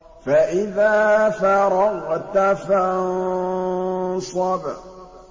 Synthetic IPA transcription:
faʔɪðaːfaɾˤɑɣt̪ːafa | sˤɑb

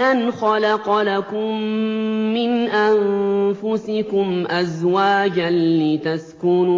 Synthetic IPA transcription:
ʔanxɑlaqɑlakʊmː | ɪnʔanfʊsɪkʊmʔazwaːd͡ʒanlɪt̪askʊnuː

